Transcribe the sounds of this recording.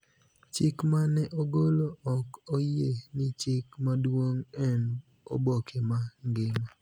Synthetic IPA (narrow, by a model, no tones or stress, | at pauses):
t͡ʃɪkmanɛʔoɡoloɔkojenɪt͡ʃɪkmadwoŋɛn | o̰bokʰemaŋɡɪma